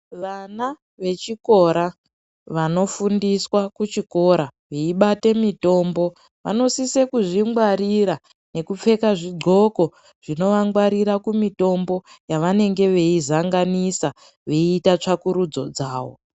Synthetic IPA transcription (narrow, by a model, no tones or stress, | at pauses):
ʋana | ʋe̞t͡ʃiko̞ɾa | ʋano̞fundiswakut͡ʃiko̞ɾa | ʋeiɓate̞mito̞mbo̞ | ʋa̰no̞sisekuʐiŋɡwaɾiɾa | ne̞kup͡fe̞kaʐiɡ͡ǃʱo̞ko̞ | ʐ̥ino̞ʋaŋɡwaɾiɾakumito̞mbo̞jaʋane̞ŋɡe̞ʋe̞izaŋɡanisa | ʋe̞iːtat͡ʂakuɾud͡zo̞̰d͡zaːwo̞̰